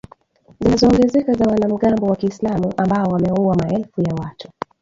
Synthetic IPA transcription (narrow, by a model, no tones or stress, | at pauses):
zinazɔːŋɡɛzɛkazawanam̩ɠambɔwakiːslamuʔambaɔwamɛuwamaɛlfujawatu